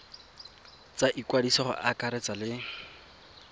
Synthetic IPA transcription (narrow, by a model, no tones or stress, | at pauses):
t͡saʔikwadisɔχʊ̰ʔakaɾɛt͡salɪ